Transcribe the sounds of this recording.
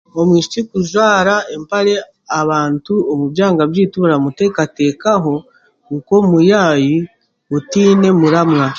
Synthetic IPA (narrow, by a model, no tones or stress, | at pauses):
o̞mwiːʃi̥t͡ʃikuʒwaːɾaempaɾe̞ | aβaːntuomuβjaːŋɡaβjiːtuɾamute̞ːkate̞ːkaɦo̞ | kuko̞mujaːji | utiːne̞muɾamŋa